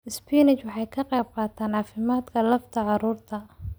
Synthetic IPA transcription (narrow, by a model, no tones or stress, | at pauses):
ɪspʰiːnɪt͡ʃwɑħɑjkʰɐqɛjb̚qɑːt̪ʰaːnʕɑːfɪmaːd̪kʰɐlɐft̪ʰɐʕɑɾuːrt̪ʰɐ